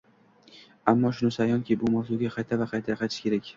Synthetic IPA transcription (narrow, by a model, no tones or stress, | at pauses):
amːɒʃʊnɪsajɒŋkʲʰibʊmawzʊɡʲaqʰɑjt̪ʰavaqʰɑjt̪ʰajqʰɑjt̪ʰɪʃkʲʰe̞ɾakʲ